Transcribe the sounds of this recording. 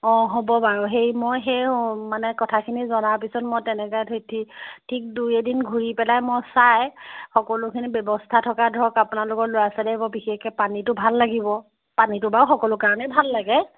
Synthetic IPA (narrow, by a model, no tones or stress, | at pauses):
ɔ̃ɦobɔbaɹɔɦejmojxejmanɛkɔtʰakʰinizɔnaɹpisɔtmɔjtɛnɛkɔtʰojtʰitʰik̚dujɛdinɡʱuɹipɛlajmɔjsajxɔkɔlʊkʰinibɛbɔstʰatʰɔkadʱɔkapʊnalʊkɔtlojasɛdɛbɔbixeɛpanitʊbʱalːaɡibɔ | panitʊbaɹxɔkɔlʊkaɹɔnɛbʱalːaɡɛ